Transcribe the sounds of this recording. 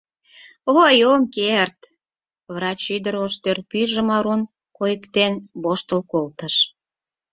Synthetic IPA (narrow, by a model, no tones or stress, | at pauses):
ojomkert̪ | βrɑt͡ɕyd̪əɾoʃt̪ørt̪̚pyʒə̆mɑɾun | kojəkt̪enboʃt̪əlkolt̪əʃ